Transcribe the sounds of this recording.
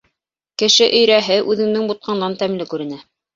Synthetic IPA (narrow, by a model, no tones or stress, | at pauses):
kɘ̆ʃɘʔɵ̆jɾæɦɘʔʉðɘ̆ŋnɘŋbut̪̚qʰɑnd̪ɑnt̪æmlɘkʉɾɘ̆næ